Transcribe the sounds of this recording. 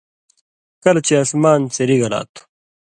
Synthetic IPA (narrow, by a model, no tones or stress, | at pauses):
kɐlɐt͡ɕiasmaːnt͡seɾiɣɐla̰ːt̪ʰu̥